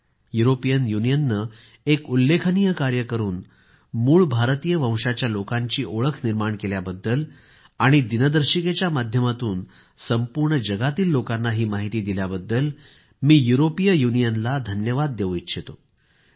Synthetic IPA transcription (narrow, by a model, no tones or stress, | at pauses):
juɾopijənjunijənːə | ekulːekʰənijəkaɾjəkəɾuːn | muːɭbʱaɾt̪ijəʋə̃w̃ʂat͡ɕjalokaɲt͡ɕiːʔoɭəkʰniɾmaɳkeljabəd̪ːəl | aɽ̃id̪inəd̪əɾɕiket͡ɕjamad̪ʱjəmat̪uːn | səmpuɾɳəd͡ʑəɡat̪iːlːokanːaɦiːmaɦit̪iːd̪iljabəd̪ːəl | miːjuɾopijəjunijənlad̪ʱənjəʋad̪̚ːeʋitːɕʰet̪o